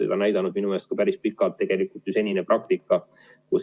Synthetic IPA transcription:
ḛd̪ɑnæjd̪ɑnud̪̥minumeːst̪̚kɑpæɾispikːˑɑlt̪ːe̞ɡ̥e̞likːˑult̪ˑysenʲineprʔɑkt̪ikːˑɑ | kus

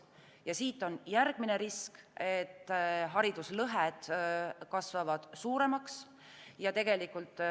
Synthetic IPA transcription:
jɑsiːt̪ːˑo̞njærɡ̥mine̞ɾisket̪ːɦɑɾid̪̥uslɤɦed̪̥kɑsvɑvɑd̪̥suːɾe̞mɑks | jɑt̪e̞ɡ̥e̞likult̪ːˑ

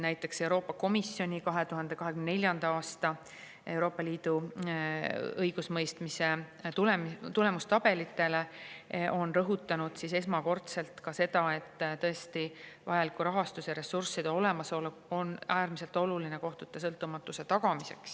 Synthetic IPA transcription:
næjt̪ːˑe̞kse̞wɾo̞ːpːˑɑko̞misːjo̞nʲikɑɦe̞t̪uɦɑnd̪̥e̞kɑɦekynnelʲjɑnd̪̥ɑɑːst̪ɑ | e̞wɾo̞ːpːˑɑliːd̪̥u | ɤjɡ̥usmɤjst̪mise̞t̪ulemt̪ule̞must̪ɑb̥e̞lit̪ːˑe̞le̞ʔo̞nrɤɦut̪ːˑɑnud̪̥sise̞s̬mɑko̞rt̪se̞lt̪kɑse̞d̪̥ɑe̞t̪ːˑt̪ɤ̞e̞st̪ivɑjɑlikːuɾɑɦɑst̪useɾe̞sursːid̪̥o̞le̞mɑso̞le | o̞næːrmise̞lt̪ˑo̞lulineko̞ht̪ut̪ːes̬ɤlt̪ːˑumɑt̪ːˑuse̞t̪ɑɡ̥ɑmise̞ks

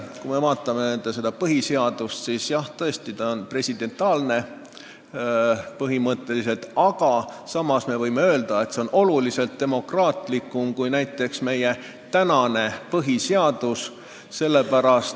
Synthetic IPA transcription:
kume̞vɑːt̪ːˑɑmenend̪̥ese̞d̪̥ɑpɤɦise̞ɑd̪ust̪sisjɑht̪ɤ̞est̪it̪ɑonpre̞sid̪̥e̞nt̪ːˑɑːlne̞ | pɤɦimɤt̪ːe̞lis̬e̞lt̪ɑɡ̥ɑsɑmɑsme̞vɤjme̞ø̞ːld̪̥ɑe̞t̪se̞onʔo̞lulise̞lt̪̚d̪̥e̞mo̞krɑːt̪ˑlikːˑumkujnæjt̪ːˑe̞ksme̞je̞ | t̪ænɑne̞pɤɦiseɑd̪̥us | se̞lːe̞pæɾɑst̪

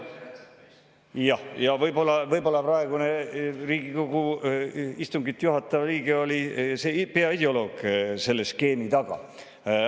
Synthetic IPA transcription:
jɑhjɑvɤjbo̞lːɑvɤjbo̞lːɑprɑe̞ɡ̥uneriːɡiko̞ɡu | ist̪uŋɡit̪ːˑjuɦɑt̪ːˑɑvliːɡ̥eo̞lʲisepe̞ɑid̪eolo̞ːɡ̥se̞lːeske̞ːmit̪ɑɡ̥ɑ̰

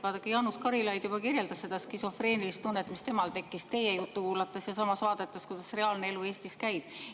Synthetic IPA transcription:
vɑːd̪ɑkːɑjɑnuskɑɾilɑjd̪̥jubɑkirjeld̪̥ɑsːe̞d̪̥ɑskiso̞fre̞ːnilist̪ːunːet̪ːˑmist̪e̞mɑlt̪e̞kːist̪e̞jejut̪ːˑukuːlɑt̪ːˑɑsjɑsɑmɑsvɑːd̪̥et̪ːˑɑskujd̪̥ɑsre̞ɑːlnee̞lueːst̪iskæjb̥

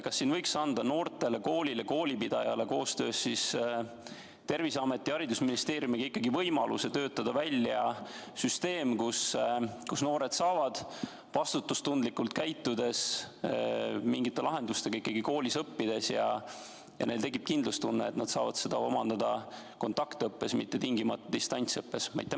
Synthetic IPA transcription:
kɑsːiːnvɤ̞jksɑnd̪̥ɑno̞ːrt̪ˑe̞le̞ko̞ːlʲile̞ko̞ːlʲipid̪̥ɑjɑle̞ko̞ːst̪ø̞̰ːsːis | t̪e̞rvisɑme̞t̪ːˑiɑɾid̪usminist̪eːɾjumiɡ̥ɑikːˑɑɡivɤjmɑlṵse̞t̪øːt̪ːˑɑd̪̥ɑvælʲːjɑsyst̪e̞ːmkuskusno̞ːɾe̞d̪sɑːvɑd̪̥ | vɑst̪ut̪ːˑust̪und̪likːult̪kæjt̪ːud̪e̞s | miŋɡit̪ːˑe̞lɑɦe̞nd̪ust̪e̞ɡ̥ɑikːˑɑɡiko̞ːlisɤpːid̪̥e̞sjɑ̰ | jɑ̰ne̞jlt̪e̞kːˑib̥̚kind̪lust̪unːeːt̪nɑd̪sɑːvɑd̪̥se̞d̪̥ɑomɑnd̪ɑd̪̥ɑ | ko̞nt̪ˑɑkt̪ɤpːe̞smit̪ːe̞t̪iŋɡimɑt̪ːˑud̪̥ist̪ɑnʲt̪siɤpːe̞smɑ̰jt̪ːˑem

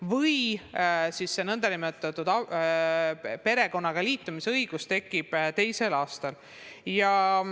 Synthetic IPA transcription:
vɤj | sisːenɤnd̪̥ɑnimet̪ːˑɑt̪ːˑud̪̥ɑ | pe̞ɾe̞ko̞nːɑɡ̥ɑliːt̪ːˑumiseɤjɡ̥ust̪e̞kːˑib̥t̪e̞jse̞lɑːst̪ɑl | jɑ

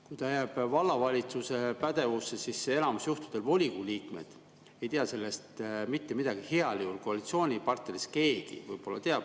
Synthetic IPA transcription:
kujt̪ɑjæb̥vɑlːɑvɑlʲit̪suse̞pæd̪̥e̞vusːesise̞lɑmusjuht̪u̥d̪̥e̞lvo̞lʲikuliːkme̞̰d̪̥ | e̞jt̪eɑse̞lːe̞st̪mit̪ːe̞mid̪̥ɑɡ̥iheɑliulko̞ɑlʲit̪sio̞ːnʲipɑrt̪neɾiske̞ːɡ̥ḭvɤjb̥o̞lːɑ̰t̪eɑb̚

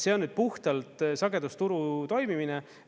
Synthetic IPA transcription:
seonːyd̪̥̚puht̪ɑlt̪sɑɡe̞d̪ust̪uɾut̪o̞jmimine

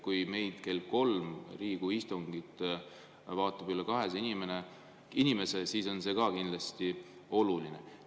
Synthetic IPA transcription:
kujme̞jd̪̥ke̞lko̞lmriːɡ̥uist̪uŋɡ̥it̪ | vɑːt̪ːˑɑb̥ylːekɑɦe̞sinime̞ne̞ | inime̞se̞siːso̞nse̞ːkɑkind̪lɑst̪i | o̞luline̞

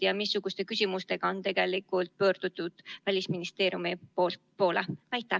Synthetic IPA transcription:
jɑmisːuɡ̥ust̪e̞kysʲimust̪e̞ɡ̥ɑo̞nt̪e̞ɡ̥e̞likːˑult̪̚pø̞ːrd̪̥ut̪ːˑud̪̥vælʲisminist̪e̞ːɾjumipol | po̞ːleæjt̪ːˑæ

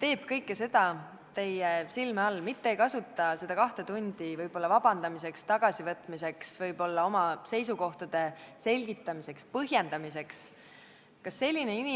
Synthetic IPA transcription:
t̪e̞ːb̥kɤjkːese̞d̪̥ɑ | t̪e̞jesilmeɑlːmit̪ːeejkɑsut̪ːˑɑse̞d̪̥ɑkɑht̪e̞t̪unʲd̪̥ivɤjb̥o̞lːɑvɑbɑnd̪ɑmise̞kst̪ɑɡ̥ɑsivɤt̪ːˑmise̞ksvɤjb̥o̞lːɑo̞mɑse̞jsuko̞ht̪ɑd̪̥e̞se̞lʲɡit̪ːˑɑmise̞kspɤɦje̞nd̪̥ɑmise̞ks | kɑsːe̞lʲːine̞inʲi

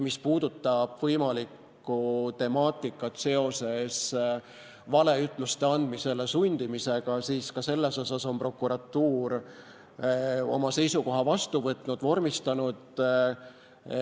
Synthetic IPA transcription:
mispuːd̪̥ut̪ˑːɑb̥vɤjmɑlikː | ut̪e̞mɑːt̪ːˑikːˑɑt̪se̞o̞se̞s | vɑle̞yt̪ˑlust̪e̞ɑnd̪mise̞lesunʲd̪̥imise̞ɡ̥ɑsiːskɑse̞lːe̞so̞soso̞mpro̞kːuɾɑt̪ːuːɾ | o̞̰mɑse̞jsuko̞ɦɑvɑst̪uvɤt̪ˑnud̪vo̞rmist̪ɑnud̪

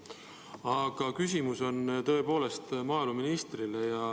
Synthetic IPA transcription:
ɑɡ̥ɑkys̬ʲimuso̞nt̪ɤ̞e̞po̞ːle̞st̪mɑːluminist̪rilejɑ

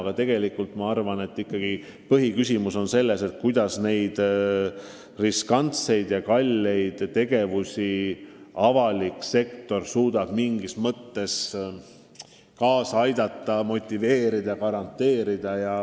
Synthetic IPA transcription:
ɡ̥ɑt̪e̞ɡ̥e̞likːult̪mɑɑrvɑne̞t̪ːˑikːˑɑɡ̥i | pɤɦikysʲimuso̞nse̞lːe̞se̞t̪kujd̪̥ɑsne̞jd̪̥ | riskɑnt̪se̞jd̪̥jɑkɑlʲːe̞jd̪̥t̪e̞ɡ̥e̞vusʲi | ɑvɑlikse̞kt̪o̞rsuːd̪̥ɑb̥miŋɡismɤt̪ːe̞s | kɑːsɑɑjd̪̥ɑt̪ˑːɑmo̞t̪ʲːive̞ːɾid̪̥ɑkɑɾɑnt̪ːe̞ːɾid̪̥ɑjɑ

